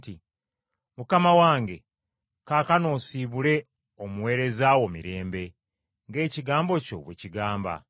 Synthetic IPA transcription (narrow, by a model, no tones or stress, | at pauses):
ti | mukamawaːŋɡe̞ | kaːkano̞ːsiːβule̞ | omuwe̞ːɾe̞zaːwo̞mḭɾe̞ːmbe̞ | ŋɡe̞ːciɡaːmbo̞co̞̰βweciɡaːmba̰